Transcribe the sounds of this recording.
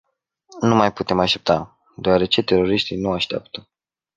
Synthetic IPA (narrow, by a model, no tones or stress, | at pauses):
numajput̪e̞maʃt̪e̞p̚t̪a | d̪oaɾe̞t͡ʃe̞t̪e̞ɾo̞ɾiʃt̪inuaʃt̪ea̰pt̪ə̥